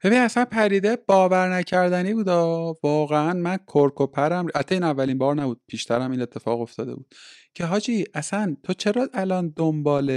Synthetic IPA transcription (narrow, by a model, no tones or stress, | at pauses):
be̞biniæsænpʰæɾiːd̪ebɒːvæɾnæcʰæɾd̪æniːbuːd̪ɒːvɒːɣeænmænkʰoɾkʰopʰæɾæmhæt̪ʰːɒiːnævːælinbɒːɾnæbuːd̪̥̚pʰiːʃt̪ʰæɾæmiːne̞t̪ʰːe̞fɒ̰ːɣo̞ft̪ɒːd̪ebuːd̪̥cʰe̞ɦɒːd͡ʒiːʔæsænt̪ʰo̞t͡ʃʰe̞ɾɒːʔælɒːnd̪ombɒːle